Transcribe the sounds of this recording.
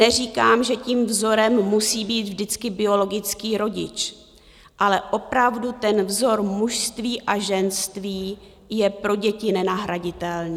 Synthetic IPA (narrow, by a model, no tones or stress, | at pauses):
nɛr̝iːkaːmʒɛciːmvzo̞ɾɛmːusiːbiːt̪vdɪt͡skɪbɪo̞lo̞ɡɪt͡skiːɾo̞ɟɪ̰t͡ʃ | ʔalɛʔo̞pɾavdut̪ɛnvzo̞ɾmuʃst̪viːʔaʒɛnst̪viː | jɛpɾo̞ɟɛcɪnɛnaɦɾaɟɪt̪ɛlniː